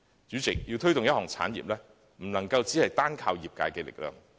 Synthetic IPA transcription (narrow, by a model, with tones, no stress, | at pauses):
t͡syː˨˥t͡sɪ̰˨k̚ji˧wt̪ʰɵ˥ɥt̪ʊ˨ŋjɐ˥t̚ɦɔː˨˩ŋt͡sʰa̰ː˨˥njḭ˨p̚lɛː˥ | m̩˨˩nɐ˨˩ŋkɐ˧wt͡siː˨˥hɐ˨jt̪aː˥nkʰaː˧wjiː˨p̚kaː˧jkɛ˧lɪ̰˨k̚lœ̰ː˨˩ŋ